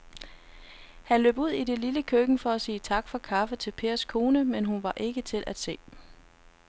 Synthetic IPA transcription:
hænlø̰ːb̥uð̞̰ˠid̥e̝liləkʰøɡ̥ŋ̩fɒ̽æsiːt͡sʰɑ̈ɡ̥fɒ̽kʰɑ̈fət͡sʰe̝lpʰe̝̰ːɐskʰo̝ːnəmenɦunʋɑ̈ʔe̝ɡ̥ət͡sʰe̝lʔæd̥se̝̰ː

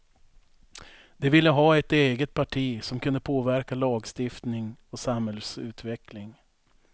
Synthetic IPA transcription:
d̪̥ɛvɪlːəɦɑːɛt̪eːɡət̪̚pʰaʈʰiːsɔmkʰɵnd̪əpʰoːvæɾkalɑːɡst̪ɪft̪nɪŋɔsamhɛlsʉ̟̰ːt̪vɛklɪŋ

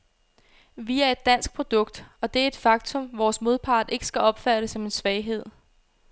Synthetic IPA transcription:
ʋiæɐe̝d̥ːæn̰sɡ̥̚pʰʁo̝d̥ɔ̽ɡ̥̚d̥ɒ̽d̥e̝æɐe̝d̥fɑ̈ɡ̥t͡sʰɔ̽mʋɒːsmo̝ð̞ˠpʰɑ̰̈ːd̥ˠe̝ɡ̥əsɡ̥æʔɒ̽b̥fæɾ̥əsɒ̽me̝nsʋɛɪɦe̝ð̞̰ˠ

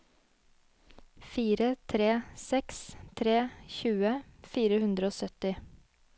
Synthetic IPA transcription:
fiːɾət̪ʰɾeːsɛkst̪ʰɾeːçʉːəfiːɾəhʉnd̪ɾəoːsœt̪ɪ

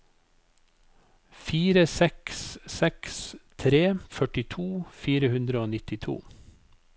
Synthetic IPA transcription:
fiːɾəsɛkssɛkst̪ʰɾeːfœʈɪt̪ʰuːfiːɾəhʉnd̪ɾəoːnɪt̪ɪt̪ʰṵː

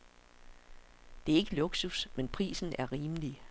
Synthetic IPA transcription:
d̥e̝æɐe̝ɡ̥əloɡ̥susmenpʰʁḭːsn̩æɐʁiːmli

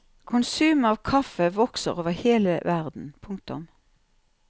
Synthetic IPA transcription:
kʰʊnsʉːmɑːʋkʰɑfəʋɔksə̰ʁoːʋəheːləʋæʁd̪n̩pʰʊŋk̚t̪ʊ̰m

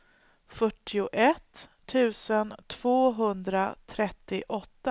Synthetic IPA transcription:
fœʈːɪʊʔɛt̪ʰː | ʉ̟ːsənt̪ʰv̥oːɦɵnd̪ɾat̪ʰɾɛt̪ːɪʔɔt̪ːa

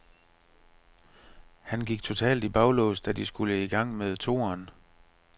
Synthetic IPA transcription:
hænɡ̥iɡ̥̚t͡sʰo̝t͡sʰɛ̰ːld̥ib̥ɑ̈ʊlɔ̰ːsd̥æd̥isɡ̥uləiɡ̥ɑ̈ŋ̰meðˠt͡sʰo̝̰ːɐn

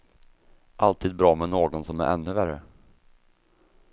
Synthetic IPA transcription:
ʔalt̪ʰiːd̪̚bɾɑːmɛnoːɡɔnsɔmæ̰ɾʔɛ̰nːɵværə

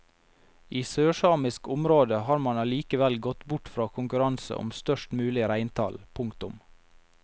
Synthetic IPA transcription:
iːsøːʃɑːmɪskʊmɾoːd̪əhɑːɾmɑnɑliːkəʋɛlɡɔt̪bʊʈfɾɑːkʰʊŋkʉɾɑnsə̰ʔɔ̰mst̪œʃʈmʉːlɪɾæɪnt̪ʰɑ̰lpʰʊŋkt̪ʊm

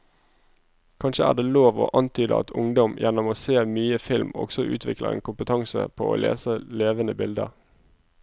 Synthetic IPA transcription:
kʰɑnʃəæːʁd̪eːloːʋo̰ːʔɑnt̪ʰyːd̪əɑ̰t̪ʰʊŋd̪ɔmjɛnɔmoːseːmyːəfɪlmɔ̰ɡ̥sɔʔʉ̰ːt̪ʰʋɪkləḛːnkʊmpət̪ʰɑŋsə̰pʰo̰ːʔo̰ːlʔḛːsəleːʋənəbɪld̪əʁ

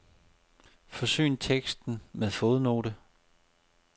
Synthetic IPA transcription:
fɒ̽sy̰ːnt͡sʰeɡ̥sd̥n̩meðˠfo̝ːð̞ˠno̝ːɾə

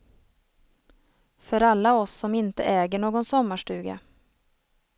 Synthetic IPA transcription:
fœɾalːaɔsːɔmɪnt̪əʔɛːɡəɳoːɡɔnsɔmːaʂʈʉ̟ːɡa̰

